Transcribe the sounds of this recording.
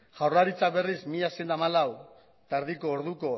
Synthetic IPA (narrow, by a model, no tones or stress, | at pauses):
ʝawraɾit͡sak̚be̞rismiʎasend̪amalaw | t̪aɾðiko̞ːɾðuko̞